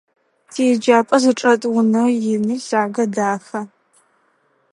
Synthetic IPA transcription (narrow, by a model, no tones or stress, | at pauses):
tʰid͡ʒaːpʼɐzɨʈ͡ʂʼɐtʼwʊnɐjɪniːzaːɡɐdaːxɐ